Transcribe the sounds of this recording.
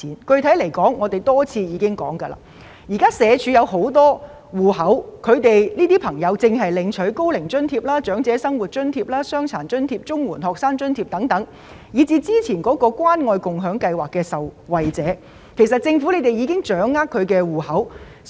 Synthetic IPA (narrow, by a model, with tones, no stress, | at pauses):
iː˨˥nkɵ˧ɥt̪ʰɐ˨˥jle˨˩jkɔː˨˥ŋːɔː˨˧t̪e˨˩jt̪ɔː˥t͡sʰiː˧jiː˨˧kɪ˥ŋkɔ̰ː˨˥ŋkɐ˧la̰ː˧ | jiː˨˩kaː˥sɛː˨˧t͡ʃʰyː˨˧˥jɐ˨˧wɦo˨˥wt̪ɔː˥ | wuː˨˩hɐ˨˥wkʰɵ˨˧ɥt̪e˨jliː˥t̪iː˥pʰɐ˨˩ŋjɐ˨˧wt͡sɪ˨ŋɦɐ˨jlɪ˨˧ŋt͡ʃʰɵ˨˥ɥko˥wlɪ˨˩ŋt͡ʃɵ˥nt̪ʰiː˧p̚laː˥t͡ʃœː˨˥ŋt͡sɛː˨˧˥sɐ˥ŋwuː˨˩t̚t͡ʃɵ˥nt̪ʰiː˧p̚laː˥sœː˥ŋt͡sʰaː˨˩nt͡ʃɵ˥nt̪ʰiː˧p̚t͡sʊ˥ŋwuː˨˩nhɔː˨k̚saː˥ŋt͡ʃɵ˥nt̪ʰi˧p̚t̪ɐ˨˥ŋt̪ɐ˨˥ŋ | jiː˨˧t͡siː˧t͡siː˥t͡sʰiː˨˩nkɔː˨˥kɔː˧kʷwaː˥nŋɔː˧jkʊ˨ŋɦœː˨˥ŋkɐ˧jwaː˨kːɛː˧sɐ˨wwɐ˨jt͡sɛː˨˥ | kʰe˨˩jsɐ˨t̚t͡sɪ˧ŋfu˨˥le˨˧jt̪e˨˩jiː˨˧kɪ˥ŋt͡ʃœː˨˥ŋːaː˥kʰːɵ˨˧ɥkɛː˧wuː˨˩hɐ˨˥w